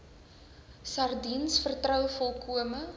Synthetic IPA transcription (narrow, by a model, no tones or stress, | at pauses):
sɐrdinsfərtrœwfɔlˠkʰuəmə